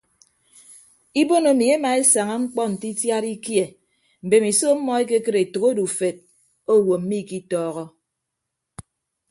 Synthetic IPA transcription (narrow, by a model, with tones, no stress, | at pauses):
i˦bo˦no˨mi˨e˦ma˨e˦sa˨ŋa˦ŋ͡m̩˦k͡pɔ˦n̩˨ti˦tja˦ɾi˦kje˨ | m̩˨be˨mi˨so˦m̩˦mɔ˦e˦ke˦kɨ˦ɾe˨to˨ɣo˦du˨fe˨t̚ | o˦˨wo˨m̩˦mi˦˨ki˦tɔː˦ɣɔ˦